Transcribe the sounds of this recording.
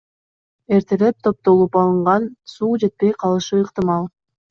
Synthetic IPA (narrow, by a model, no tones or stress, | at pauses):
e̞ɾt̪ʰele̞p̚t̪ʰo̞p̚t̪o̞lˠupɑlˠɯɴʁɑnsuːd͡ʒe̞t̪̚pe̞jqʰɑlˠɯʃɯːqt̪ɨmɑlˠ